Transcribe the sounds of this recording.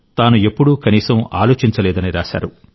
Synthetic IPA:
t̪aːnue̞pːuɽukɐniːsɐma̰ːlo̞ːt͡ʃiɲt͡ʃɐlɛːd̪ɐniɾaːʃa̰ːɾu

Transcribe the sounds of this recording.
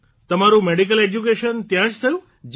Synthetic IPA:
t̪əmaɾũmeɽik̬əled͡ʒjukeʃənt̪jãʃt̪ʰəjũ | d͡ʒ

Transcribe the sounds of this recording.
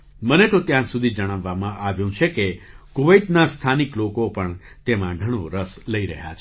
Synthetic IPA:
mənet̪ot̪jãsud̪ʱid͡ʒəɽ̃əʋːamãʔaʋjũt͡ʃʰekekuʋəjt̪nast̪ʰaniklokopəɳ | t̪emãɡʱəɽ̃õɾəsləiɾə̰ɦja̰t͡ʃʰ

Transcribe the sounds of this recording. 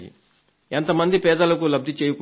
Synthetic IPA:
ḭ | ent̪ɐmɐnd̪ipɛːd̪ɐlɐkulɐb̚d̪ʱit͡ʃeːjuku

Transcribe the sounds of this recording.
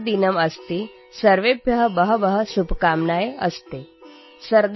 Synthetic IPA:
d̪inəməst̪iː | səɾʋebʱjəɦəbəɦəbəɦəsubkamnajeə̰st̪e | səɾd̪

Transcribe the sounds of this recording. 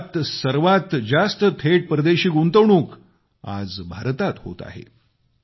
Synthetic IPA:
t̪səɾʋat̪d͡zast̪ət̪ʰeʈ̚pɾəd̪eɕiːɡunt̪əʋɳũːk | a̰d͡zbʱaɾt̪at̪ho̰t̪a̰ɦḛ

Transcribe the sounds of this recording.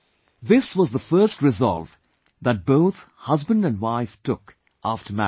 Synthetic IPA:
ðɪswʌzðəfɜ˞stɹɨzɑ̰lˠv | ðət̚b̥oʊθ | hʌzbə̃ndɨ̃nwaɪftʰʊk | ʔæftʰə˞mæ̰

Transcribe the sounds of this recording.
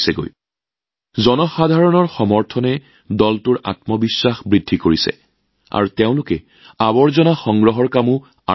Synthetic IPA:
sɛɡo̰j | zɔnɔxadʱaɹɔnɔɹxɔmɔɹtʰɔnɛ | dɔltʊɹa̰tmɔbisːaxbɹidʱːikoɹisɛ̰ | a̰ɹuteʊ̃lʊkɛ | abɔɹzɔnaxɔŋɡɹɔɦɔɹkamʊ | a

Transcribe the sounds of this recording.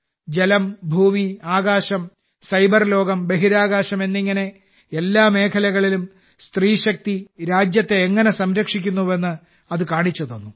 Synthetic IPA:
d͡ʑe̞lɐmbʱuːmiaːɡaːɕɐm | sɐjbɐrlo̞ːɡɐmbe̞ɦiɾaːɣaːɕɐme̞nːiŋːɐne̞ | elːaːme̞ːkʰɐlɐɣɐɭilum | st̪riːɕɐk̚t̪iɾaːd͡ʑjɐt̪ːe̞ːŋːɐne̞sɐmɾɐkʂikʲːunːuʋe̞nːɨ | ɐðɨkaːɳit͡ɕːɐðonːu

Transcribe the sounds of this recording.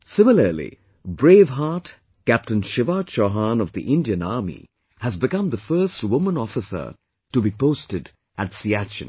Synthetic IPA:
sɪmɪlə˞lḭ | bɹeːvɦaːt | kæp̚tɨ̃nʃɪvaʃoɦãnʌvðḭʔɪ̃ndiɨ̃naɹmḭ | hɨzbɨkʌ̃mðəfɜ˞stwʊmə̃nɔfɨsə̰˞ | ʈubipoʊstɨd | ætsiæt͡ʃɨ̰̃n

